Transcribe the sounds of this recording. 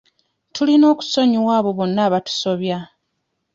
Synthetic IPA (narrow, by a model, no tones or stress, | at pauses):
tʰulino̞ːku̥so̞ɲiwaːβo̞βo̞nːaːβatu̥so̞βja